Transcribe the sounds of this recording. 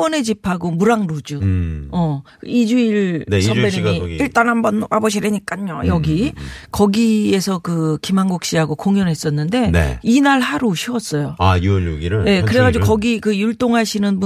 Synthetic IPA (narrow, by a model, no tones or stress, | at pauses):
ʌne̞d͡ʑipʰaɡomuɾaŋɾod͡ʑuʌ | id͡ʑuiɭnsʰʌmbeɲimiiɭt͈anɦambʌnabʌɕʰiɾeɲik͈aɲːojʌɡikʌɡiesʰʌkɯkimaŋɡok̚ɕ͈iɦaɡokoŋjʌnɦe̞s͈ʌnːɯnde̞ḛinaɭhaɾoɕʰiʌs͈ʌjoajuloɡiɾɯnje̞kɯɾe̞ɣad͡ʑiokʌɡikɯjuɭt͈oŋɦaɕʰinɯnbu